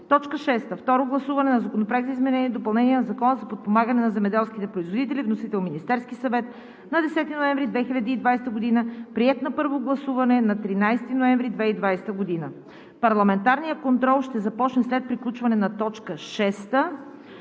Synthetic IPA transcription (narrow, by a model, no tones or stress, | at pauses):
t̪ɔt͡ʃkəʃɛst̪əft̪ɔɾoɡlˠɐsuvɐnɛnɐzɐkonopɾaɡzəizmɛnɛniɛd̪opɐlˠnɛniɛnɐzɐkɔnəzɐpot̪̚pomaɡənɛnɐzɛmɛd̪ɛlˠsk̟it̪ɛpɾoizvod̪it̪ɛlʲivnosit̪ɛlˠminist̪ɛɾskisɐvɛt̪̚ | nɐd̪ɛsɛt̪inoɛɱvɾid̪vɛxilʲɐd̪iːd̪vajst̪əɡod̪inəpɾiɛt̪nɐpɤɾvoɡlˠɐsuvɐnɛnɐt̪ɾinajst̪inoɛ̃ɱvɾid̪vɛid̪vajst̪əɡod̪inə | pɐɾlˠɐmɛnt̪aɾnijəkont̪ɾɔlˠʃt̪ɛzɐpɔt͡ʃnɛslɛt̪̚pɾiklʲut͡ʃvɐnɛnɐt̪ɔt͡ʃkəʃɛst̪ə